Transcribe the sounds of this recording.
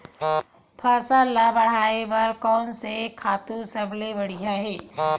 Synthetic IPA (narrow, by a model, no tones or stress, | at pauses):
pʰaːsaːlabɐɽ̤aːebɐɾkɔːnsekʰaːt̪usəblebɐɽ̤ijaɦɛː